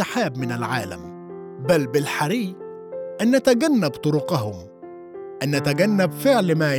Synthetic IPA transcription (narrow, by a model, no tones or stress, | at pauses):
aħaːbmɪnalʕaːla̰m | balbɪlħaɾiː | ʔanːat̪aɡanːabt̪ˤʊɾʊqɑɦʊm | ʔanːat̪aɡanːabfɪʕlmaː